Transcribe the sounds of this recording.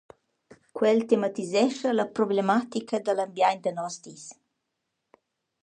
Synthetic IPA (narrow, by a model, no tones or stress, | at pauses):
kwɛlt̪emat̪izɛʃələpɾoblemat̪ikʰəd̪əlambjajnd̪ənɔst̪is